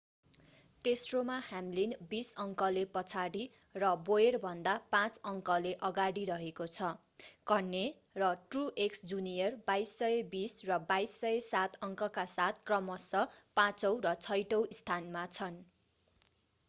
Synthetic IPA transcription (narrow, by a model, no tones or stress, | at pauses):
t̪esromahamlinbisʌŋkʌlepʌt͡sʰaɽi | rʌbojerbʱʌnd̪apãt͡sʌŋkʌleʔʌɡaɽiɾʌɦekot͡sʰʌ | kʌnːe | rʌʈruʔeksd͡zunijʌrbajsːʌebisrʌbajsːʌjesat̪ʰʌŋkʌkasat̪̚ʰkrʌmʌsʌpãt͡sʌw̃rʌt͡sʰʌjʈʌw̃ist̪ʰanmat͡sʰʌn